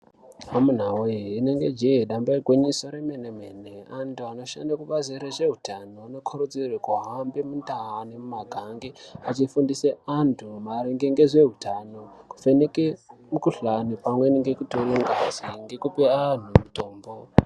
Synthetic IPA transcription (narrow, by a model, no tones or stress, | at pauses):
amun̤awoiine̞ŋɡe̞d͡ʒiɦeɗambaiɡʱwinisoɾemenemeneantʰuano̞ʃa̰ndakuɓaziɾeʐeɦutanoano̞kʰoɾod͡zirekuɦambemundaɦanemumaɡʱaŋɡeat͡ʃifundiseantʰumaɾiŋɡeŋɡezʷe̞ɦutanoku̥fenekemukuɬanipamweineŋɡekutoloŋɡaasiŋɡekupean̤umuto̞ːmbo